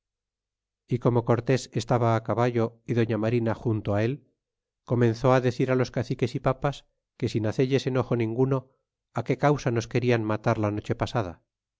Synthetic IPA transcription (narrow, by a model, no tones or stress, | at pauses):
iko̞mo̞ko̞ɾt̪e̞se̞st̪aβaːkaβaʝo̞iðo̞ɲamaɾinaxunt̪oae̞l | ko̞mẽ̞nθo̞aðe̞θiɾalo̞skaθike̞sipapas | ke̞sinaθe̞ʎe̞se̞no̞xo̞nĩŋɡuno̞ | ake̞kawsano̞ske̞ɾianmat̪aɾlano̞t͡ʃe̞pasað̞a̰